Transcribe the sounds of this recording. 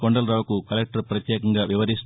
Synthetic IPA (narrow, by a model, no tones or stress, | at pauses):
koɳɖɐlɾaːʋukukɐlek̚ʈɐɾpɾɐt̪jɛːkɐŋɡaːʋiʋɐɾis